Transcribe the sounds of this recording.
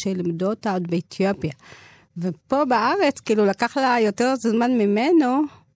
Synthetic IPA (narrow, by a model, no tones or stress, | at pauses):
ʃelimduotaodbeetʰjopja | vepo̞baaʁet͡skiːlulakaχlajo̞teʁzmanmimeno